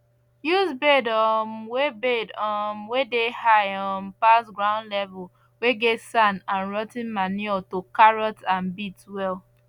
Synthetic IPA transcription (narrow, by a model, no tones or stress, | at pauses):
jusbedɔmwebedɔmwedehaɪɔnpasɡɹãʊ̃ndlɛvul | weɡetsãnãnɹɔtĩnmaniɛtokaɹɔtãnbitwɛl